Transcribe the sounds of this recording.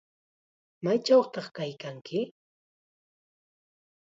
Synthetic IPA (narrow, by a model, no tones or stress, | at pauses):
majt͡ʃawχt̪ɑχkajkaŋkɪ